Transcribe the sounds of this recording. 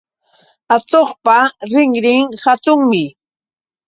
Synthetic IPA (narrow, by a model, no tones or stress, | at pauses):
at̪oχpaɾɪŋɾɪŋhat̪ʊŋmɪ